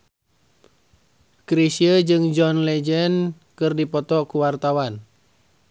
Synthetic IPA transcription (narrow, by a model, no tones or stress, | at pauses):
kɾisiəd͡ʒɨŋd͡ʒɔnlɛd͡ʒɛn | kɨrdipɔt̪ɔkuwart̪awan